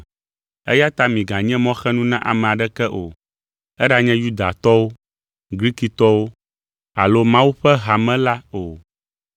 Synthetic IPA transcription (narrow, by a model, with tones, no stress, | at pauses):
ɛ̰˦ja˦t̪a˦mĩ˨ɡã˨ɲɛ̃˦mɔ̃˦xɛ˦nũ˦nã˦ʔa̰˨mɛ̃˨a˨ɖɛ˦kɛ˦ʔo˨ | ɛ˦ɖa˨ɲɛ̃˦ju˦d̪a̰˨t̪ɔ˦wo˦ | ɡɾi˦ki˨t̪ɔ˦wo˦ | a̰˨lo˦mã˦wu˦ɸɛ˦ɦa˨mɛ̃˦la˦o˨